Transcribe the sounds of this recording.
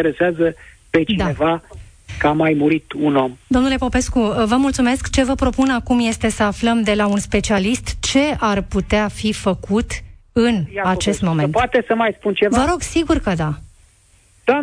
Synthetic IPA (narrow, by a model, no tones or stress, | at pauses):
eɾeseazəpe̞t͡ʃid̪aevakamajmuɾit̪uno̞md̪onule̞po̞pe̞skuvəmult̪sume̞skt͡ʃe̞vəpɾo̞punakumje̞st̪e̞səafləmd̪e̞launspe̞t͡ʃialist̪t͡ʃe̞arput̪eafifəkut̪ɨnat͡ʃe̞st̪mo̞me̞ntpat̪esəmajspunt͡ʃevəɾo̞ɡsiɡurkəd̪a | d̪̥a